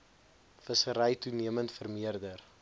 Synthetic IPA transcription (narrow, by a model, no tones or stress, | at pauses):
fəsəɾəjtuniəməntfərmiərdər